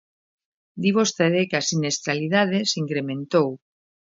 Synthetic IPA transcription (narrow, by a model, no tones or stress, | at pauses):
d̪iβost̪eðekasinest̪ɾaliðað̞esiŋkɾemẽnt̪ow